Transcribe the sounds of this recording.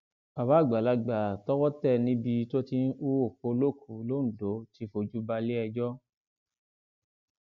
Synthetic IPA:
a˨ba˨˦˨ɡ͡ba˨la˧ɡ͡ba˨tɔ˦wɔ˦tɛ˦˨nĩ˧˦bi˧to˦ti˦u˦wo˦˨ko˧lo˦˨kʰu˨˦lo˦n̩˨do˨˦ti˧˦fo˧d͡ʒu˦ba˧le˦ɛ˧d͡ʒɔ˦

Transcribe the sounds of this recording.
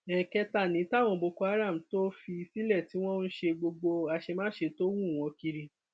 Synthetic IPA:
ɛ˨kɛ˧ta˦˨nĩ˨˦ta˦˨w̃ɔ̃˧bo˧ko˧a˦ɾa˦˨m̩˨to˦fi˧si˦lɛ˦˨ti˨˦w̃ɔ̃˦˧n̩˦ʃe˧ɡ͡bo˧ɡ͡bo˧a˧ʃe˧mãː˦ʃe˧to˦wũ˦˨w̃ɔ̃˧ki˧ɾi˧

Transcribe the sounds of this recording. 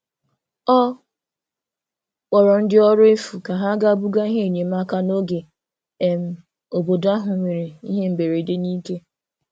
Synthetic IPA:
ɔ˦ | wɔ˨ɾɔ˨n̩˦dɪ˦ɔ˦ɾʊ˦e˦fu˨ka˨ɦa˦ɡa˦bu˦ɡa˦i˦ɦe˦˨ɲe˨m˦a˦ka˦no˦ɡe˨ | e˨m̩˦ | o˨bo˨da˦ɦʊ˨ŋʷe˨ɾe˨i˦ɦe˦m̩˨be˨ɾe˨de˦ni˦ke˦

